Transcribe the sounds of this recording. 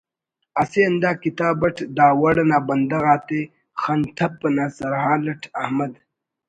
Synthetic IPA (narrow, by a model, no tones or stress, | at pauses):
ɐseɐnd̪aːkit̪aːbɐʈʰd̪aːwɐɽɐnaːbɐnd̪ɐɣaːt̪e | xant̪ʰɐpːɐnaːsɐɾɦãːlɐʈʰɐhmɐd̪